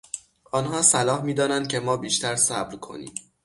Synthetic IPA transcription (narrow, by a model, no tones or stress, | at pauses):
ʔɒːnɦɒːsælɒːhmiːd̪ɒːnænd̪̚cʲʰe̞mɒːbiːʃt̪ʰæɾsæbɾkʰo̞̰nḭːm